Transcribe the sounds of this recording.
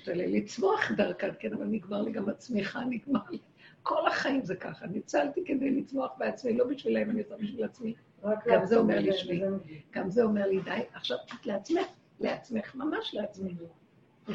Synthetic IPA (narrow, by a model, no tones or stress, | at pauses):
ʃtalḛlːit͡smo̞aχdaʁkatkenavalaniɡmaʁliɡamat͡smiχaniɡmaʁli | ko̞laχaimzeka̰χanit͡saltike̞dejlit͡smo̞aχbeat͡smilo̞biʃvilaimaniot͡sanbiʃvilat͡smi | ɡamzeomeʁliʃmiɡ̥amzeo̞me̞ʁlidajaχʃavat̪leat͡smeχ | leat͡sme̞χmamaʃleat͡smenu